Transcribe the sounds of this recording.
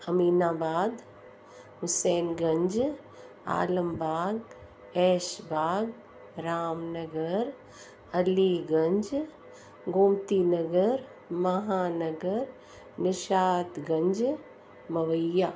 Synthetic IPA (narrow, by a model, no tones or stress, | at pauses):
ɐmiːnaːbaːd̪ | ɦʊseːnɡɐ̃ɲd͡ʒ | a̰ːləmbaːɡ | eːʃbaːɡ | ɾaːmnɐɡəɾ | ɐliɡɐɲd͡ʒ | ɡoːmt̪inɐɡəɾ | mɐɦaːnɐɡəɾ | nɪʃaːt̪ɡɐ̃ɲd͡ʒ | mɐʋəjaː